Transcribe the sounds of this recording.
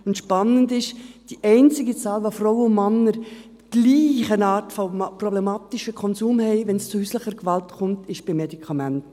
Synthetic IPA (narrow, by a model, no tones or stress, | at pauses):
ʊntʃpɑnːəndɪʃd̥iʔɛɪnt͡sɪɡit͡sɑːlʋofrɔwəʊnmɑnːəɾt̪ɡ̥liːχənɑːtfɔprɔblɛmɑːtiʃəkʰɔnsuːmhɛɪʋɛnst͡sʊhyːsləχəɾkʋɑltkʰʊmtɪʃb̥ɪmːedikʰɑmænt